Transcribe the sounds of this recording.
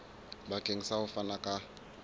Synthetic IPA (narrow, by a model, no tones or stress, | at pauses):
bakʼeŋ̩sahʊfanakʼa